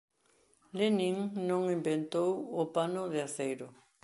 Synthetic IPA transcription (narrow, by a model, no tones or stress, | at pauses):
lenĩŋnõŋimbent̪owopanʊðeaθejɾʊ